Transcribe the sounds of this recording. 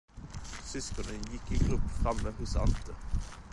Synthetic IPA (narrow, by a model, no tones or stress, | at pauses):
sʏskɔnənjɪkːiːɡʁʊpːfʁɑməhʊsɑ̰lt̪ə